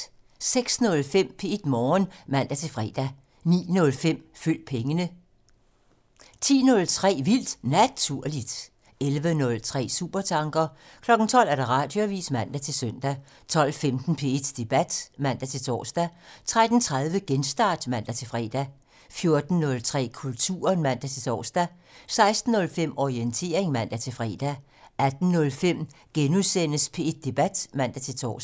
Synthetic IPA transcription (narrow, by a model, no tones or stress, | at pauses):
seɡ̥snɔ̽lfem̰pʰe̝e̝d̥mɒːnmæn̰d̥æt͡sʰe̝lfʁɛ̰ːd̥æ | nḭːnɔ̽lfem̰fyl̰d̥̚pʰeŋənə | t͡sʰḭːnɔ̽lt͡sʰʁɛ̰ːʋil̰d̥næt͡sʰuɐ̰lid̥ | elʋənɔ̽lt͡sʰʁɛ̰ːsṵːb̥ɐt͡sʰɑ̈ŋɡ̥ɐ | kʰlɒ̽ɡ̥n̩t͡sʰɒ̽l̰æɐd̥ɑ̈ʁɑ̈d̥joʋḭːsmæn̰d̥æt͡sʰe̝lsœn̰d̥æ | t͡sʰɒ̽l̰femd̥n̩pʰe̝e̝d̥d̥e̝b̥æd̥mæn̰d̥æt͡sʰe̝t͡sʰɒ̰ːsd̥æt͡sʰʁad̥n̩t͡sʰʁað̞ˠʋəɡ̥ensd̥ɑ̈ːd̥mæn̰d̥æt͡sʰe̝lfʁɛ̰ːd̥æ | fjo̝ɐd̥n̩ːɔ̽lt͡sʰʁɛ̰ːkʰult͡sʰṵːɐnmæn̰d̥æt͡sʰe̝t͡sʰɒ̰ːsd̥æ | sɑ̈ɪsd̥n̩ːɔ̽lfem̰ɒient͡sʰe̝̰ɐeŋmæn̰d̥æt͡sʰe̝fʁɛ̰ːd̥æ | æd̥n̩ːɔ̽lfem̰ɡ̥enuðˠsen̰əspʰe̝ed̥̚ːe̝b̥æd̥mæn̰d̥æt͡sʰe̝lt͡sʰɒ̰